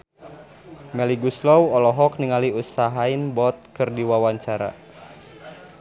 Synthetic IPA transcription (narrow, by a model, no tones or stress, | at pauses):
mɛliɡuslɔwɔlɔɦɔk̚niŋaliusaɦainbɔt̪̚kɨrdiwawaɲt͡ʃaɾa̰